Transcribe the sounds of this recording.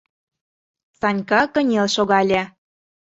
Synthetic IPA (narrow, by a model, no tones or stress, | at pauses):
t͡sɑnʲkɑkə̆nʲelʃoɣɑlʲĕ